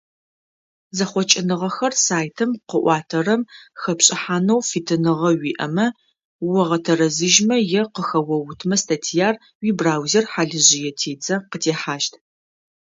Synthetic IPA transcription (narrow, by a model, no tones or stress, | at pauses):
zɐχʷɔt͡ʃʼɪnɨʁɐxɐrsaːjtʰɨmqəʔʷɑːtʰɐrɐmxɐpɕʼɪħaːnɐwfitʰɨnɨʁɐwiːʔɐmɐ | wɐʁɐtʰɐɾɐzɨʒmɐjɛqəxɐwɐwʊtʰmɐstʰatʰijaːr | wiːbraːwzerħaːɮɨʑɪjɛtʰeːd͡zɐqətʰeːħaːʃtʰ